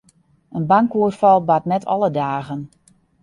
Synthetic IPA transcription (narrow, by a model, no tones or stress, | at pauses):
ənbaŋkuərfɑlˠbatnɛtʰɔ̰lˠədaːɣən